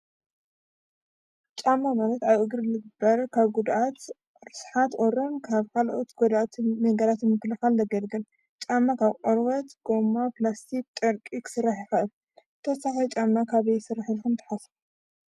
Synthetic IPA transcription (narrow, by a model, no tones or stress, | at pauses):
t͡ʃʼamːamalɐt̪aβʔɨɡɾɨlɨɡɨbɐɾkʰaβɡud̪ʔat̪ | ɾɨsħat̪ʔoɾɐnkʰaβkʰalʔot̪ɡ̥od̪at̪mɐɡalat̪jɛmɨkːɨlɨxald̪ɐɡɐlɡɐl | t͡ʃʼamːakʰaβqʼoɾwɐt̪ɡ̥o̞mːaplast̪ʰik̚t̪ʼɐɾkʼiksɨɾaħixaʔɨl | t̪ʰɐsaxɐjt͡ʃʼamːakʰaβesɨɾaħɨlxɨmt̪ʰɨ̥ħas